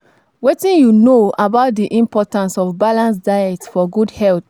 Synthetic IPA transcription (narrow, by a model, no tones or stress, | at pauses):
wetĩnjunoabaʊt̚diʔĩmpɔtãnsɔvbalãnsdajɛtfɔɡudhɛlt